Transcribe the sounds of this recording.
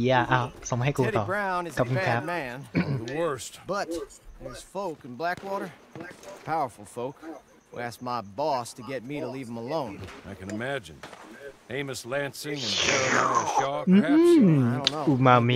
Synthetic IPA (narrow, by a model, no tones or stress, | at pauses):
aʔaːsohajkuːɾɔːɹãʊ̃nɨzkapkuækʰɾap̚mæ̃nðəwɜ˞stb̥ʌtɪz̥foʊkn̩blækwɔɾə˞ | pʰaʊə˞fl̩ˠfoʊk | hṵæsk̚maɪbɔstʰɨɡɛt̚miɾəliv̥ə̃məlõʊ̃naɪkɨ̃nɨmæd͡ʒɨ̃nẽɪ̃mɨslæ̃nsɪ̃ŋɨ̃nd͡ʒɛ | mː | õnoumami